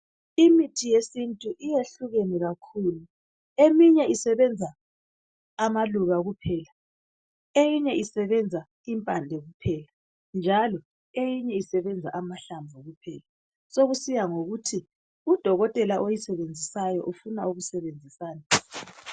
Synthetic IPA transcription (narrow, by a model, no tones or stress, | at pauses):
imitʰijesintʼuʔijeɬuɣenɛɣakʰuːlu | emiɲɛisɛβɛnd͡zʱaː | maluɣaɣupʰɛːla | ejiɲɛʔisɛβɛnd͡zʱa | impʼandʱɛɣupʰɛːla | nd͡ʒʱalɔ | ejiɲɛisɛβɛnd͡zʱaʔamaɬambʱɔɣupʰɛːla | soɣusijaŋoɣutʰi | ud̥ʱɔɣɔtʼɛlaʔojisɛβend͡zʱisajɔʔufunauɣusɛβend͡zʱisaːna